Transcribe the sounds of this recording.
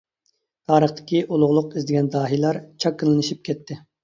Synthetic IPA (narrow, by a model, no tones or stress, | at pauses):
t̪ʰɑːɾəχt̪ʰɪ̥kʲiʔulˠʊʁlˠʊqizd̪ɪɡʲɛnd̪ɑːɦijlˠɑɾt͡ʃʰɑkːəlˠɨnɨʃip̚kʲɛt̪ʰːɪ